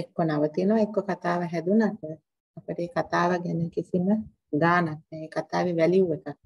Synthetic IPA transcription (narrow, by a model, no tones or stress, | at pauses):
ekːonaʋət̪iːnoʋaekːokat̪aːʋəɦɛd̪unat̪ə | ɐpəʈəeːkat̪aːʋaɡɛnekisimə | ɡaːnak̚nɛeːkat̪aːʋiʋɛliuʋekakː